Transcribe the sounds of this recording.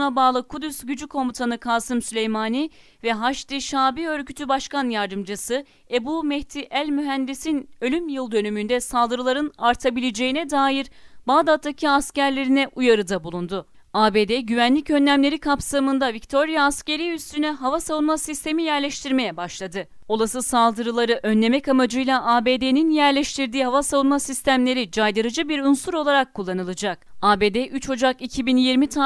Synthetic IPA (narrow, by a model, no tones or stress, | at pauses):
nabaːlˠɯkʰud̪ysɟyd͡ʒykʰo̞mut̪ʰanɯkʰaːsɯmsylʲejmaːni | vɛɦaʃt̪iʃaːbiø̞ɾcyt̪ʰybaʃkanjaɾd̪ɯmd͡ʒasɯ | e̞bumɛht̪ʰiʔælʲmyɦænd̪isinø̞lʲymjɯlˠd̪ø̞nymynd̪ɛsalˠd̪ɯɾɯlˠaɾɯnaɾt̪ʰabilʲed͡ʒe̞jinɛd̪aːjiɾbaːd̪at̪ʰːacʰiascæɾlʲe̞ɾinɛʔujaɾɯd̪abulˠund̪ʊ | aːbe̞ːd̪ɛɟyvænlʲicø̞nlʲæmlʲe̞ɾikʰapsamɯnd̪avict̪ʰo̞ɾijaːsce̞ɾiyst̪ʰynɛɦavasavunmasist̪ʰe̞mijæɾlʲeʃt̪ʰiɾme̞jɛbaʃlˠad̪ɯ | o̞lˠasɯsalˠd̪ɯɾɯlˠaɾɯʔø̞nːʲe̞mɛkamad͡ʒɯjlˠaʔaːbe̞ːd̪eninjæɾlʲeʃt̪ʰiɾd̪iːɦavasavunmasist̪ʰæmlʲe̞ɾid͡ʒajd̪ɯɾɯd͡ʒɯbiɾunsuɾo̞lˠaɾakʰːulˠːanɯlˠɯd͡ʒak̚aːbe̞ːd̪ɛʔyt͡ʃho̞d͡ʒakicʰibinjiɾmit̪ʰa